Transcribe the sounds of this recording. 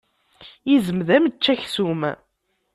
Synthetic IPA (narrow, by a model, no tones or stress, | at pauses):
jizəmðæmət͡ʃːæçsum